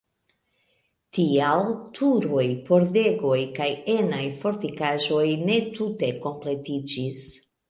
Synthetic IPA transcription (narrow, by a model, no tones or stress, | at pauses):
tialtʰuɾo̞jpo̞ɾde̞ɡo̞jkaje̞najfo̞ɾtikaʒo̞jne̞tute̞ko̞mple̞tid͡ʒis